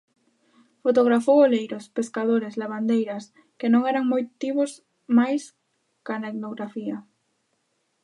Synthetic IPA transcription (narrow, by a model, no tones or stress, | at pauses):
fot̪oɣ̞ɾafowolejɾospeskaðoɾezlaβ̞and̪ejɾɐs | kenõŋɛɾaŋmojt̪iβos | majs | kaneknoɣɾafia